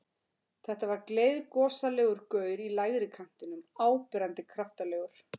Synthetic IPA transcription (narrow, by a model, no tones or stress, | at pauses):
θɛht̪avaɾkleːjðkɔːsalɛːɣʏɾkœːɥɾilajɣɾɪkʰan̥t̪ɪnʏmaːwpɪɾant̪ɪkʰɾaft̪alɛːɣʏɾ̥